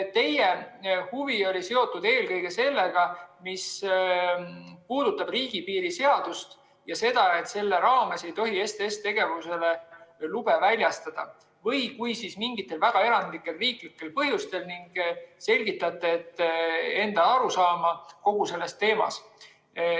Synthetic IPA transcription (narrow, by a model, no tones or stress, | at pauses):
t̪e̞jehuvio̞lʲise̞o̞t̪ːˑud̪e̞ːlkɤ̞jɡ̥e̞se̞lːe̞ɡ̥ɑmis | puːd̪̥ut̪ːˑɑb̥riːɡ̥ipiːɾise̞ɑd̪̥ust̪ | jɑse̞d̪̥ɑe̞t̪se̞lːe̞ɾɑːme̞se̞jt̪o̞ɦie̞st̪eest̪e̞ɡ̥e̞vuse̞le̞lub̥e̞vælʲjɑst̪ɑd̪̥ɑ̰ | vɤjkujsismiŋɡit̪ːˑe̞lvæɡ̥ɑe̞ɾɑnd̪likːˑe̞lriːklikːe̞lpɤɦjust̪e̞lniŋɡ̥se̞lʲɡit̪ːˑɑt̪ːˑe̞ːt̪ːe̞nd̪̥ɑɑɾusɑːmɑko̞ɡ̥use̞lːe̞st̪ːe̞ːmɑ̰s